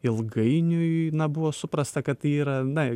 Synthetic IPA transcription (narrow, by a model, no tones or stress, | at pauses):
ɪlˠɡɐɪnʲʊjnɐbʊʋoːsʊpɾɐst̪ɐkɐt̪iːɾɐnɐ